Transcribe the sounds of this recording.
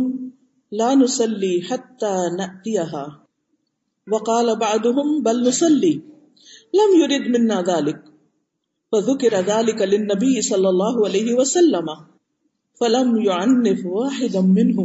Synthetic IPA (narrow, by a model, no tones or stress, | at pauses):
laːnʊsˤɑlːiːħat̪ːaːnaʔt̪ɪjaɦaː | wɑqɑːlabɑʕd̪ˤʊɦʊmbalnʊsˤɑlːiː | lamjʊɾid̪mɪnːaːðaːlɪk̚ | faðʊkɪɾaðaːlɪkalɪnːabɪjːɪsˤɑlːɑlˤːɑːɦʊʕalajhɪwasalːama | falamjʊʕanːɪfwaːħɪd̪amɪnɦʊm